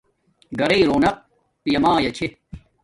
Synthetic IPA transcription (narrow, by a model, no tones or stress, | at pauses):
ɡɐɾeːɾoːnɐq̚ | pjɐmaːjɐt͡ɕʰe